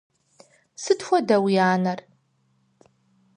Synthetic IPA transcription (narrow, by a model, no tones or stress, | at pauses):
sɨtxʷɔdɐwijaːnɐr